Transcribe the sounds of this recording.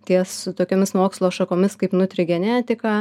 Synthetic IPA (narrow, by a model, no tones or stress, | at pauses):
t̪ʲiɛssʊt̪oːkʲoːmʲɪsmoːkslˠoːʃɐkoːmʲɪskɐɪpnʊt̪ʲɾʲɪɡʲɛnʲæːt̪ʲɪkɑː